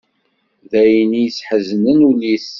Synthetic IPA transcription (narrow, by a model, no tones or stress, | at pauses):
ðæjnijəsħəznənulis